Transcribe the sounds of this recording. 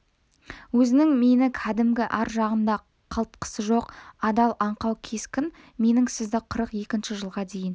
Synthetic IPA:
wɵzɪnɪŋme̞nɪkʲʰæd̪ɪmɡʲɪʔɑɾʒɑʁənd̪ɑ | qʰɑlˠt̪̚qʰə̥səʒo̞qɑd̪ɑlˠɑɴqɑwkʲʰe̞skʲɪn | me̞nɪŋsɪzd̪ɪqʰəɾəqje̞kʲɪnʃɪʒəlˠʁɑd̪e̞jɪn

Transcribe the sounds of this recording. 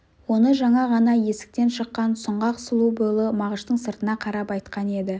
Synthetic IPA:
wo̞nəʒɑɴɑʁɑnɑje̞sɪ̥k̚t̪e̞nʃəqːɑnsʊɴʁɑqʊ̥səlˠubʊjlˠəmɑʁəʃt̪əɴsəɾt̪ənɑqʰɑɾɑpɑjt̪qɑne̞d̪ɪ

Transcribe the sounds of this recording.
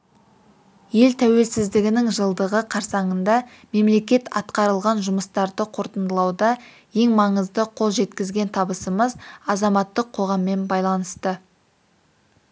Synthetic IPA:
je̞lt̪ʰæwe̞lsɪzd̪ɪɡʲɪnɪŋʒəlˠd̪əʁəqʰɑɾsɑɴənd̪ɑ | me̞mle̞kʲe̞t̪ɑt̪qɑɾəlˠʁɑnʒʊməst̪ɑɾd̪əqʰo̞ɾt̪ənd̪əlˠɑwd̪ɑ | je̞ŋmɑɴəzd̪əqʰo̞lˠʒe̞t̪kʲɪzɡʲe̞nt̪ʰɑbəsəməzɑzɑmɑt̪ːəqʰːo̞ʁɑmːe̞nbɑjlˠɑnəst̪ə

